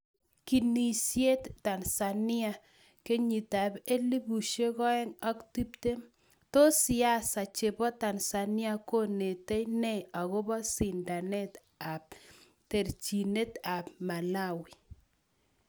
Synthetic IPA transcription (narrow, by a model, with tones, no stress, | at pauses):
ki˨ni˨sje˦tːa˨nsa˨nɪ˦a˦ | ke˦ɲi˨ta˨be˦li˦bu˨ʃe˦kɔ˦ɛ˦ŋɔ˦kti˦p̚te˦m | to˦sɪ˨a˦sa˨t͡ʃe˨bɔ˦ta˨nsa˨nɪ˦a˦ko˦ne˨te˦jne˦a˨ɣʊ˦bɔ˦si˨nda˨ne˦t | a˨p̚ | te˨ɾt͡ʃi˨ne˦t̪a˨pma˨la˦wi˨